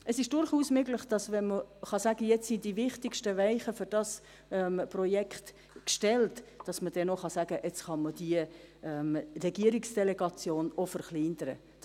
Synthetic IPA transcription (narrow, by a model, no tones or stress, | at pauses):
ʔəsɪʃd̥ʊɾχuːsmøːɡləχd̥ɑsvɛnməχɑsæɡəjɛt͡ssind̥ivɪχtɪkʃtəvæɪχəfʏɾd̥ɑs | ɛmprɔjɛkχt | kʃtɛltd̥ɑsməd̥ɛnoχɑsæɡ̥əʔɛt͡sχɑməd̥iəɛmrɛɡ̥iəɾɪksd̥ɛlɛɡɑt͡sjoːnofəɾχliːndəɾə̰